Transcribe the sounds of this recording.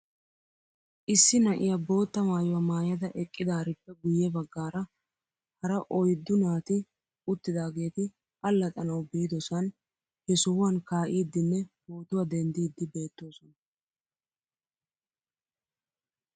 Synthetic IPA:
ʔɪsːɪnɐʔɪjɐbo̞ːt̪ːɐmaːjʊwɐmaːjɐd̪ɐʔɛkʼːɪd̪aːɾɪpːɛɡʊjːɛbɐɡːaːɾɐ | hɐɾɐʔɔjd̪ːʊnaːt̪ɪ | ʊt̪ːɪd̪aːɡe̞ːt̪ɪ | ɐlːɐt̪ʼɐnɐwbiːd̪ɔsɐn | hɛsʊːwɐnkaːʔiːd̪ːɪnːɛbo̞ːt̪ʊwɐd̪ɛnd̪iːd̪ːɪbe̞ːt̪ːo̞ːsɔnɐ

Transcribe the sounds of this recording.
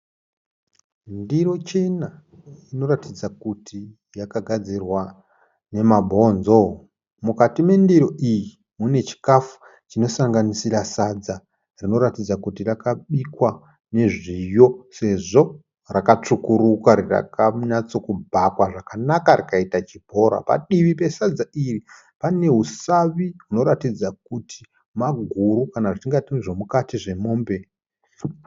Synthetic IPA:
ndiro̞t͡ʃe̞na | ino̞ratid͡zakutʰi | jakaɡʱad͡zirwa | ne̞mabʱo̞nzo | mukatimwe̞ndiɾo̞ʔiji | mune̞t͡ʃi̥kafu̥ | t͡ʃino̞saŋɡanisirasad͡za | rino̞ɾatid͡zakutirakaɓikwa | ne̞ʐijo̞se̞ʐo̞ | rakat͡ʂukuɾukwaɾira̰kaɲat͡so̞kubʱakwaʐakanakarikaitat͡ʃibʱo̞ɾa̰pa̰ɗiʋipe̞sad͡zairi | pane̞ɦusaʋiɦuno̞ɾatid͡zak̚utʰi̥ | maɡʱuɾukanaʐitiŋɡatiniʐomukatiʐe̞mo̞ːmbe̞

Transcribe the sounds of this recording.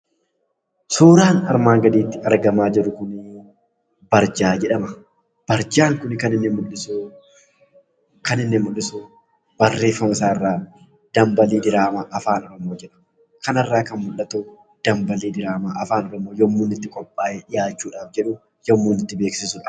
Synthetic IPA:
suːɾaːnɐɾmaːŋɡɐd̪iːt̪ːɪɐɾɡɐmaːd͡ʒɪɾːʊkʊn | bɐɾd͡ʒaːd͡ʒɛᶑɐmɐ | b̥ɐɾd͡ʒaːŋkʊnkɐnɪnːɛmʊlːɪs | kɐnɪnːɛmːʊlːɪsu | b̥ɐrːe̞ːfːɐmɪsaːɪrːaː | d̪̥ɐmbɐliːd̪ɪɾaːmaʔɐfaːnɔɾɔmoːd͡ʒɛᶑɐ̥mɐ | kɐnɐrːaːkɐnmʊlːɐt̪o | d̪̥ɐmbɐliːd̪ɪɾaːmaʔɐfaːnɔɾɔmoːjɔmːuːnɪt̪ːɪkʼɔpʼːaːʔɛᶑɪjaːt͡ʃːuːᶑaːfd͡ʒɛᶑʊ | jɔmːuːnɪt̪ːɪbeːksɪsʊᶑɐ̥

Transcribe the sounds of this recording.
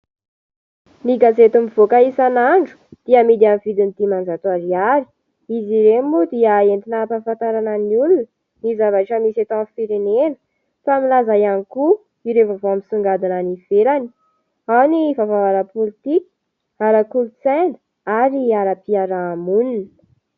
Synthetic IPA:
niɡazet̪umivokaisanaɳɖ͡ʐu̥d̪̥iamid̪iamivid̪init̪imand͡zat̪aɾiaɾi̥ | iziɾembud̪iaent̪inapanfant̪aɾanəniulunə | nizavaʈ͡ʂəmiset̪ãfiɾenenə̥ | familazajaniku | iɾevavoamisuŋɡad̪ananifeɾani̥ | awnivavaaɾapolit̪ikʲi̥ | aɾakulut͡sɛnd̪ə̥ | aɾiaɾapiaɾaːmuninə̥

